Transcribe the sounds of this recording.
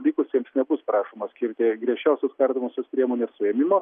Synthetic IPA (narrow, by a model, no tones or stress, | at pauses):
lʲiːkʊsʲjʲiɛmsnʲɛbʊsprɑːʃoːmɐsʲkʲɪɾʲt̪ʲɪɡɾʲiɛʃʲt͡ʃʲɛʊsʲoːskɐrʲd̪omoːsʲoːspʲɾʲiɛmoːnʲeːssʊɛːmʲɪmoː